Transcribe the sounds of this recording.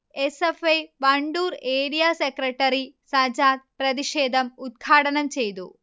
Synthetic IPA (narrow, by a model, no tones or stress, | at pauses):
esefejʋɐɳɖuːɾeːɽijaːsekɾɐʈːɐɾisɐd͡ʑaːt̪̚pɾɐðiʂeːd̪ʱɐmut̪̚ɡʰʱaːʈɐnɐmt͡ɕejt̪ṵ